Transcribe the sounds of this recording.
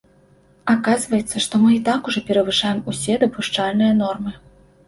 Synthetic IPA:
akazvɐjɛt̪sːɐʂt̪ɔmɨit̪akuʐɔpʲɛɾɐvɨʂajɛmusʲɛd̪ɐpuʂt͡ʂalʲnɨjɐn̪ɔrmɨ

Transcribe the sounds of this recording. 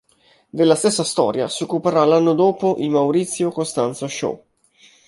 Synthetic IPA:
d̪elːast̪esːast̪ɔ̰ːɾja̰siokːupeɾalːanːod̪oːpoʔimawɾit̪sːjokost̪ant̪soʃo̰

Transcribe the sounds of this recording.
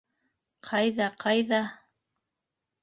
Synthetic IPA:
qʰɑjðɑqʰɑjðɑ

